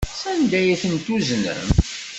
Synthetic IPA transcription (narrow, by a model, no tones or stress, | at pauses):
sænd̪æjiθənt̪uznə̰m